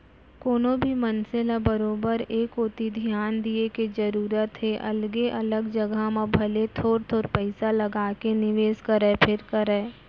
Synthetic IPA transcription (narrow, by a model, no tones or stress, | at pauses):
koːnõbʱimɐnselabəɾoːbəɾeːkoːt̪id̪ʱijaːnd̪ieked͡ʒɐɾuːɾət̪ɦeʔɐlɡeʔɐləɡd͡ʒɐɡamãbʱɐlet̪ʰoːɾt̪ʰoːɾpɛɪsalɐɡaːkenɪʋeːskəɾepʰɪɾkəɾɛː